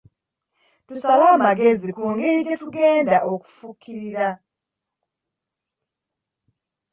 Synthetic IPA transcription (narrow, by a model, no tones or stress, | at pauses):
tusaβaːmaɡe̞zikuːŋɡeɟetuɡe̞ːndaʔoku̥fukʰːiɾiɾa